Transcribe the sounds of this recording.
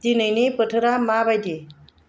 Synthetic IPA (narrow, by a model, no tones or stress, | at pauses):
t̪inəjnepəʈʰəɾamabajd̪i